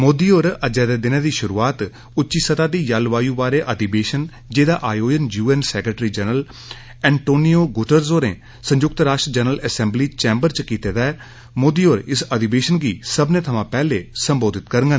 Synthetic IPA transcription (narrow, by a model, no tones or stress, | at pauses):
moːd̪iːoːɾəd͡ʒɛːd̪eːd̪ɪnãːd̪iːʃʊɾuːaːt̪ | ʊtːʃiːsət̪ãːd̪iːjalʋaːjuːbaːɾeːʔəd̪iːbeːʃən | d͡ʒeːd̪aːʔaːjoːd͡ʒənjuːɛːnsɛːkɾəʈɾiːd͡ʒənəl | ɛ̃ːɳʈoːnioːɡʊʈəɾzoːɾḛ̃ː | sə̃ɲd͡ʒʊk̚t̪ɾaːʃʈd͡ʒənələsɛ̃ːmbliːt͡ʃɛːmbəɾt͡ʃkiːt̪eːd̪aɛː | moːd̪iːoːɾɪsəd̪ibeːʃənɡiːsəbnẽːt̪ʰəmãːpɛːleːsəmboːd̪ɪt̪kəɾəŋɡə